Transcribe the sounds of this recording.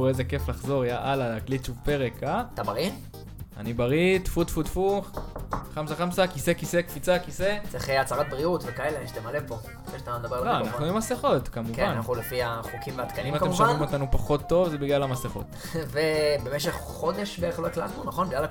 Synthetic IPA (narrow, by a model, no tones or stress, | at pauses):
ezeke̞flaχzo̞ʁajaʔalalaklitt͡ʃuvpe̞ʁekat̪abaʁi | a̰nibaʁit̪fut̪fut̪fuχχamsaχamsakise̞kisekfit͡sakiset͡seχeat͡saʁat̪̚bʁiutvekaeleʃat̪emalepo̞ | feʃat̪amed̪abebloanaχnuimaseχot̪kamukenannaaχulefiaχukimveat̪kanimatkemʃvamimo̞t̪anupaχo̞t̪ːo̞vzebiɡlalamaseχo̞̰t̪ | vebe̞meʃeχːo̞d̪eʃveeχloakla̰t̪nunaχonbiɡlal